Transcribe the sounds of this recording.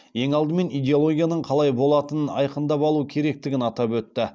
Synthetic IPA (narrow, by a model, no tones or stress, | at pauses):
je̞ŋɑlˠd̪əme̞nijd̪ʲeo̞lˠo̞ɡʲijanəɴqʰɑlˠɑjbo̞lˠɑt̪ənɑ̰jqənd̪ɑpɑlˠuəkʲʰe̞ɾe̞k̚t̪ɪɡʲɪnɑt̪ɑpwɵt̪ːɪ